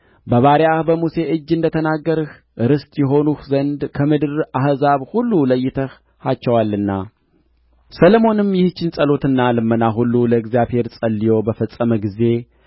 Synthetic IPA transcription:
bəβaɾiahbəmuse̞ʔɨd͡ʒːɨnd̪ət̪ʰənaɡːəɾɨh | ʔɨɾɨst̪ʼjɛɦo̞nuhzənd̪kʰəmɨd̪ɨɾaɦzaβhulːuləjːɪt̪ʰəh | hat͡ʃːɛwalːɨnːa | səlomo̞nɨmjɪhɨt͡ʃːɪnsʼəlo̞t̪ɨnːalɨmːənaɦulːuləɡzijaβhe̞ɾsʼəlːijo̞bəfəsʼəməɡize̞

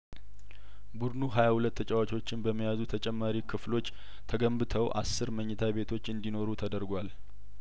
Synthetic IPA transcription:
bud̪nuɦajahulət̪ːət͡ʃʼawat͡ʃʼo̞t͡ʃːɪnbəmːijazut̪ʰət͡ʃʼɛmːaɾikʰɨflo̞t͡ʃː | t̪ʰəɡəmbɨt̪ʰəwʔa̰sːɨɾməɲːɛt̪ʰaβe̞t̪ʰo̞t͡ʃːɨnd̪ino̞ɾut̪ʰəd̪əɾɡʷal

